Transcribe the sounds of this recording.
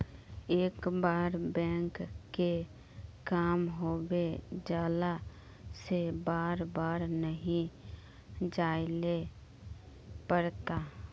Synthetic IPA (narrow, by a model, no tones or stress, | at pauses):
eːkbaːɾbɛ̃ːŋkːe | kaːmɦoːbed͡ʒjaːla | sebaːɾbaːɾnəɦĩ | d͡ʒaːile | pəɾt̪aː